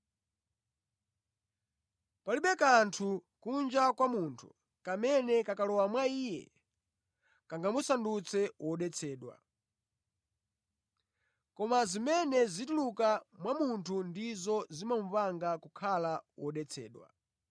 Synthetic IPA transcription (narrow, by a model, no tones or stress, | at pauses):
paliɓɛkantʰukund͡ʒakwamuntʰu̥ | kamɛnɛkakalɔwamwaiːjɛ̰ | kaŋɡamusandut͡sʰɛwɔɗɛt͡sʰɛːɗwa̰ | kɔmazimɛnɛzitulukamwamuntʰundizɔzimam̩vaŋɡakukʰalawɔɗɛt͡sʰɛ̰ːɗwa̰